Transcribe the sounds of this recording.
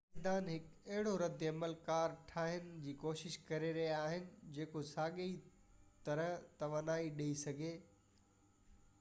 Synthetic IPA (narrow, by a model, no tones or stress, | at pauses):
d̪aːnɦɪkɐɦɪɽoɾɐd̪ɐməlkaːɾʈʰaːɦɪnɪ̆d͡ʑiːkoːʃɪʃkɐɾeɾɐɦiaːɦɪnɪ̆d͡ʑeːkosaːɠeit̪ɐɾət̪ɐʋaːnaːiɗeisɐɡʱeː